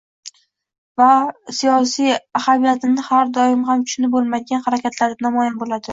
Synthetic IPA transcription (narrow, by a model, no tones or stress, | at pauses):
vasijɒsijahamijat̪ʰɪnɪhaɾd̪ɒɪmhamkʰʊ̥ʃnɪbolˠmad̪ɪɡʲanhaɾakʲʰat̪ʰlaɾd̪anamɒjanbolad̪ɪ